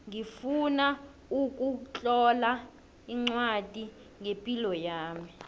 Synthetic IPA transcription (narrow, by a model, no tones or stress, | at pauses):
ŋifuna | ukʼut͡ɬʼɔla | iŋ͡ǀwad̥ʱi | ŋepʼilɔjaːmi